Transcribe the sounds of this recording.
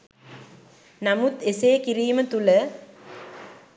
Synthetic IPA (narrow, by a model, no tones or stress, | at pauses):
nɐmut̪eseːkɪɾiːmɐt̪ulɐ